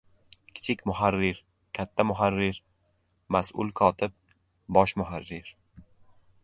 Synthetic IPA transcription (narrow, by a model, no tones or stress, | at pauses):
kʲʰɪ̥t͡ʃʰɪkʲmʊɦaɾːɪɾ | kʲʰat̪ʰːamʊɦaɾːɪɾ | masʔʊ̰lˠkʰɒt̪ʰɪb̚ | bɒʃmʊɦarːɪɾ